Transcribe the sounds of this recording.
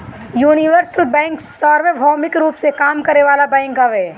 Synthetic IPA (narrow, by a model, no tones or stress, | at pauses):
juːnɪʋəɾsəlbɛ̃ːŋksːaːɾʋeːbʱɔːmɪkɾuːpsekaːmkɐɾeʋaːlabɛ̃ːŋkəʋeː